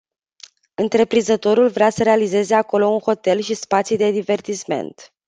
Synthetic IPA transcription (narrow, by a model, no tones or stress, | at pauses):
ɨnt̪ɾe̞pɾinzət̪o̞ɾulvɾeasəɾe̞alize̞ze̞ako̞lo̞unxo̞t̪e̞lʃispat̪sjud̪e̞d̪ive̞rt̪isme̞̰nt̪